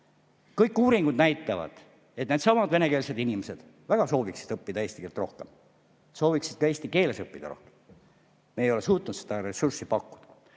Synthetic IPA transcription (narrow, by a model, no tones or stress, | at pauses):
kɤjkːuːɾiŋɡ̥ud̪næjt̪ːˑɑvɑ̰d̪̥ | e̞t̪̚ned̪sɑmɑd̪vene̞keːlse̞d̪inimese̞d̪̥ | væɡ̥ɑso̞ːviksid̪ɤpːid̪ɑe̞ːst̪ikelt̪ro̞hkem | so̞ːviksid̪̥kɑe̞ːst̪ike̞ːlesɤpːid̪̥ɑ̰ro̞̰hkem | mejo̞lesuːt̪ˑnut̪sed̪̥ɑɾe̞sursipɑkːu̥d̪̥ɑ̥